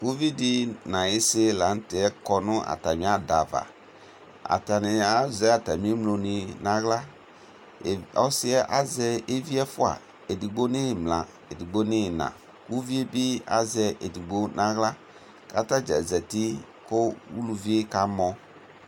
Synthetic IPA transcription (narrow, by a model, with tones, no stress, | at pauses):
wu˦vi˦dɪ˦nã˨jɪ˦sɪ˦la˨˦n̩˦tɪ˨˦ɛ˦kɔ˨nʊ̃˦a̰˨ta˨mĩ˨˦a˦da˨va̰˨ | a̰˨ta˨nɪ˨a˦zɛ˦a˨ta˨mĩ˦e˦mlo˨ni˨nã˦ɣla˦˨ | ɔ˦sɪ˦ɛ˦ʔa˦zɛ˦e˦vi˦ɛ˦fʊ˦a̰˨ | e˨di˨ɡ͡bo˦nɪ̃˦˨mlã˨ | e˨di˨ɡ͡bo˦nɪ̃˦˨nã̰˨ | wu˦vi˦e˦bi˦a̰˦zɛ˦ʔe˨di˨ɡ͡bo˦nʔã˦ɣla˦ | ka˦ta˦d͡ʒɛ˨zɛ˨ti˦ | kʊ˦wu˦lu˨vi˦e˦ka˨mɔ̃˨